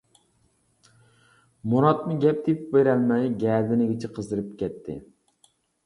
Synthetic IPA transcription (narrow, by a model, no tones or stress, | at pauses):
muɾɑt̪mɨɡʲɛp̚d̪epbeɾɛlmɛjɡʲɛːd̪ɪnɪɡʲɪt͡ʃʰɛqʰəzd̪ɨɾɨp̚kʲɛt̪ʰːɪ̰